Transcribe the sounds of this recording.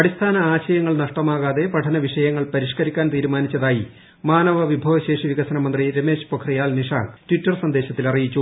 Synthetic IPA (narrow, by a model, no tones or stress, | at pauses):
ɐɽist̪ʰaːnɐaːɕɐjɐŋːɐɭnɐʂʈɐmaːɣaːðe̞pɐʈʰɐnɐʋiʂɐjɐŋːɐɭpɐɾiʂkɐɾikʲːaːnt̪iːɾumaːnit͡ɕːɐðaːji | maːnɐʋɐʋibʱɐːʋɐɕe̞ːʂiʋiɣɐsɐnɐmɐnd̪riɾe̞me̞ːɕpokʰrijaːlniʂa̰ːŋtwitːɐrsɐnd̪eːɕɐt̪ːilɐrijit͡ɕːu